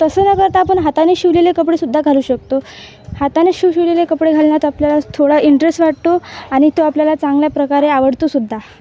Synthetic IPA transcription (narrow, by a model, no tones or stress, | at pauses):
t̪əsənakəɾt̪aːpəɳɦat̪aneɕiʋlelekəpɽesud̪ʱːaɡʱaluːɕək̚t̪o | hat̪aneɕiʋɕiʋlelekəpɽeɡʱalnjat̪apljalat̪ʰoɽaiɳʈɾesʈʋaʈ̚t̪oaɽ̃it̪oapljalat͡sãŋɡljapɾəkaɾeaʋəɽt̪osud̪ʱːa